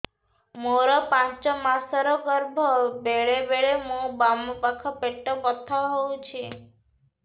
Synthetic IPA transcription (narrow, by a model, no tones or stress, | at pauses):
moɾɔpãt͡ʃt͡ʃɔmasɔɾɔkɔɾbʱɔbeɭebeɭemũbampakʰɔpeʈːɔpɔt̪ʰːɔɦowt͡ʃʰi